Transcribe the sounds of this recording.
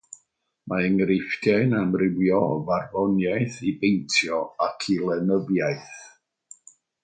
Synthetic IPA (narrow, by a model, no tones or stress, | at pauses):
maəŋrɪfdjaɨnamrɪwjɔvarvɔnjajθibejntʰjɔakʰilˠɛnəvjajθ